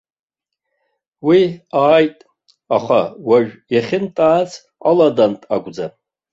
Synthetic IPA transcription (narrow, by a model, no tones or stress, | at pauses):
wiaːjtʼ | aχawaʒᶣjaχʲɪntʼaːt͡sʰ | aladantʼaɡʷʼd͡za